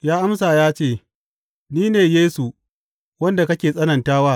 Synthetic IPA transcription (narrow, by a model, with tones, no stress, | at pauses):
jaː˦ʔa˦msaː˨jaː˦t͡ʃeː˦˨ | niː˦neː˨jeː˦su˨ | wɐ˦nda˨kɐ˦kʲeː˨sʼɐ˦nɐ˨ntaː˦waː˦˨